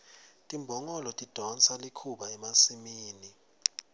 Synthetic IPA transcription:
tʼimbʱɔŋɔlɔtʼid̥ʱɔnt͡sʰalikʰuɓaɛmasimiːni

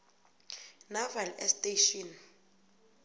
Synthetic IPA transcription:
navɛlɛstʼeʃɔn

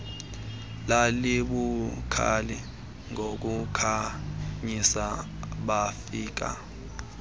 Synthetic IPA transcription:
laliɓukʰa̰lɛ | ŋʱok̬ukʰaɲisaɓafiːk̬a̰

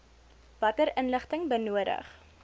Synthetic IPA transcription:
vɐtəɾənləχtəŋbənuəɾə̰χ

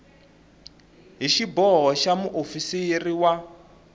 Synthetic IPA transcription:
ɦiʃibɔɦɔʃamuʔofisijiriwa

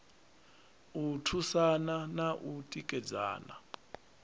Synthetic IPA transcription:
utʰusananaʔutʼikʼɛd͡za̰ːna̰

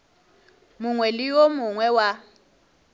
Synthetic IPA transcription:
mʊŋwelijomuŋwɛwa

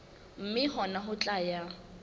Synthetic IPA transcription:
m̩mɪɦɔnaɦʊt͡ɬʼaja

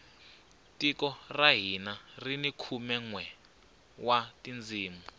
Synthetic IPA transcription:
tikɔraɦinarinikʰumɛŋwɛ | watind͡ziːmu

